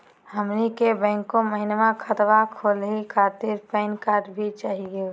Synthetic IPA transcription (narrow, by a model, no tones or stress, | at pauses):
həmnikebɛ̃ːŋkõməɦɪnʋãkʰət̪ʋakʰoːlɦikʰaːt̪ɪɾpɛːnkaːɾbʱit͡ʃaːɦiɡe